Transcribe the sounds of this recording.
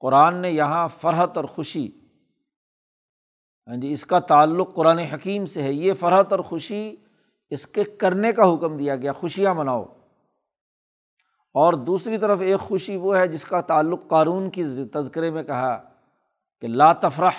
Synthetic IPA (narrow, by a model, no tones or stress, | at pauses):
qʊɾaːnːejɐɦãfɐɾɦət̪ɔːɾxʊʃi | ɦãːd͡ʒiɪskat̪aːlːʊqːʊɾaːneɦɐkiːmseɦɛjefɐɾɦət̪ɔːɾxʊʃi | ɪskekɐɾnekaɦʊkmd̪ijaɡɐjaːxʊʃijãbɐnaːo̰ː | ɔːɾd̪uːsɾit̪ɐɾəfeːkxʊʃiʋoɦɛd͡ʒɪskat̪aːlːʊqːaːnuːnkit̪ɐzkɪɾemẽkɐɦa | kelaːt̪ɐfɾəħ